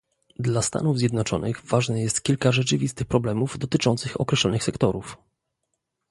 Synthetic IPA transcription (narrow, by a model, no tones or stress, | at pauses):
d̪last̪a̰nuvzʲjɛd̪nɔt͡ʂɔ̰nɘɣvaʐnɛjɛst̪kʲilkaʐɛt͡ʂɘvʲist̪ɘxpɾɔblɛmuvd̪ɔt̪ɘt͡ʂɔnt̪sɘxɔ̰kɾɛɕlɔnɘxsɛkt̪ɔɾuf